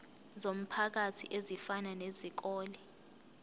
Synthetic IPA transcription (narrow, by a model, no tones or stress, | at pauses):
zom̩pʰak̬atʰḭʔezifananezik̬ɔːli